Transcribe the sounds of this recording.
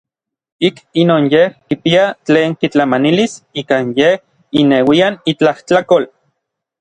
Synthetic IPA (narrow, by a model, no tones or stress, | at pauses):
ikinoːnjehkipiat͡ɬeːŋkit͡ɬamanilisiːkanjeh | inewianit͡ɬaht͡ɬakol